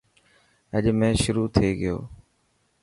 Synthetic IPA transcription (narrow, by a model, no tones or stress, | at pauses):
əʄmẽːʃʊɾuːt̪ʰeːɡɪjo̰ː